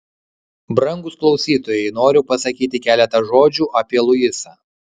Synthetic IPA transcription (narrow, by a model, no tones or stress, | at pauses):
bɾɐŋɡʊsklˠɒʊsʲiːt̪oːjɛɪnoːɾʲʊpɐsɐkʲiːt̪ʲɪkʲæːlʲɛt̪ɐʒoːd͡ʒʲuːʔɐpʲiɛlˠʊjɪsɐː